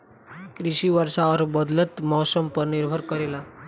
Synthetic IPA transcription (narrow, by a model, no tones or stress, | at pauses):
kɾiɕiʋəɾsaʋəɾbəd̪lət̪mɔɦsəmpəɾniɾbʱəɾkəɾela